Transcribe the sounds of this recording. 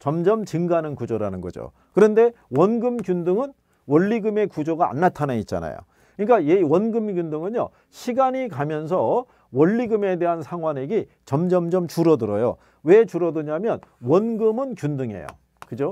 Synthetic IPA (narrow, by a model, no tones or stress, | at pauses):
t͡ɕʌmd͡ʑʌmt͡ɕɯŋɡanɯnkud͡ʑoɾanɯnɡʌ̰d͡ʑo̰ | kɯɾʌnde̞ | wʌnɡɯmkjundɯŋɯn | wʌʎːiɡɯme̞kud͡ʑoɡaa̰nːatʰanait̚t͡ɕ͈a̰na̰jo̰ | kɯɲik͈ajewʌnɡɯmɡjundɯŋɯnjo̰ | ɕʰiɡaɲikamjʌns̬ʰʌ | wʌʎːiɡɯme̞de̞ɦansʰaŋɦwaneɡe | t͡ɕʌmd͡ʑʌmd͡ʑʌmt͡ɕuɾʌdɯɾʌjo̰ | we̞t͡ɕuɾʌdɯɲamjʌnwʌnɡɯmɯnkjundɯŋe̞̰jo̰ | kɯd͡ʑo